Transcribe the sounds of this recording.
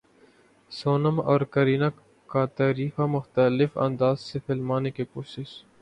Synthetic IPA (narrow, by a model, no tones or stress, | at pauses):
soːnəmɔːɾkəɾiːna | kat̪aːɾiːfamʊxt̪əlɪfɐ̰̃nd̪aːzsefɪlmaːnekikʊsɪʃ